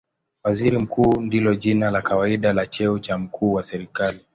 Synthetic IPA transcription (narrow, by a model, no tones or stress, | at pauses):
waziɾim̩kuːndilɔʄinalakawaiɗalat͡ʃɛut͡ʃam̩kʰuːwasɛɾikali